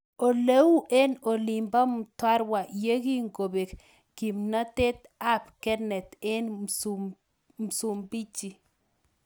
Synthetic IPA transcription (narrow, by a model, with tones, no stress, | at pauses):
o˨le˦wu˦ʔe˦no˨li˨mba˦mtwa˦ɾwa˨ʔje˦ɡi˦ŋɡo˨be˨k | ɡ̥i˨mna˦t̪e˦t̪a˦pkɛ˦nɛ˨t̪ɛ˦n | m˨su˨mbi˦t͡ʃi˨